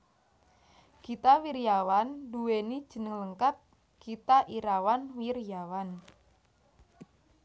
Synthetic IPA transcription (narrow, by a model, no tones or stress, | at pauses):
ɡ̥it̪awirjawanduwenid̥ʒ̥ə̤nəŋləŋkat̪̚ | ɡ̥it̪aʔiɾawanwirjawan